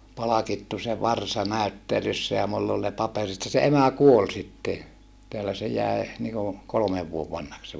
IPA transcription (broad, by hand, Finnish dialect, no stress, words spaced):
pɑlɑkitːu se ʋɑrsɑ næˑytːelysːæ jɑ mulː ol ne pɑperit jɑ se emæ kuol sitːe jɑ teælæ se jæe niːku kolŏmeʋ ʋuoʋ ʋɑnhɑks se